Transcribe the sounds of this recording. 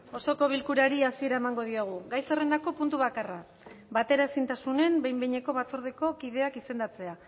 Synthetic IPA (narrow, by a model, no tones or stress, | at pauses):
o̞so̞ko̞β̞ilkuɾaɾiasie̞ɾaemaŋɡo̞ð̞ioɣ̞uɡajse̞re̞nd̪ako̞punt̪uβakara | βat̪e̞ɾaesint̪asune̞mbejmbeɲe̞ko̞β̞at͡soɾðeko̞kiðe̞akise̞nd̪at͡se̞a